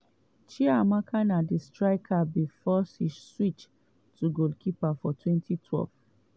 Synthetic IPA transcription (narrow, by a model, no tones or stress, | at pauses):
t͡ʃiamakʰanadistɹaɪkʰabifɔsisswit͡ʃ | tuɡolkʰipafɔtʰwɛ̃ntʰitʰwɛ̰lv